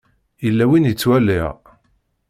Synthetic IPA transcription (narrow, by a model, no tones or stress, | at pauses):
jəlːæwinjət͡sːwæliʁ